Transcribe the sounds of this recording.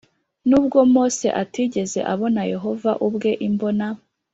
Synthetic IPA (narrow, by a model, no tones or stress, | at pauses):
nuːb̚ɡo̞mo̞ːse̞̰ʔatiːɟe̞ze̞̰ʔaβo̞naje̞ɦo̞vaʔubɡe̞ʔimbo̞na